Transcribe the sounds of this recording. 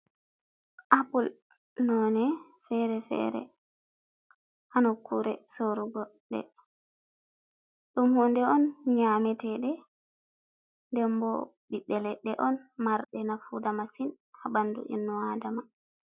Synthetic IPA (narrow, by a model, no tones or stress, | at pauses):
ʔapul | nɔnɛ | fɛɾɛfɛ̰ɾɛ̰ | hanɔkːuɾɛsoɾuɡɔɗɛ̰ | ɗumhɔndɛɔnɲamɛtɛɗɛ | ndɛmbɔ̰ɓiɗːɛlɛɗɛʔɔnmaɾɗɛnafudamasin | abandṵʔḭnːɔadama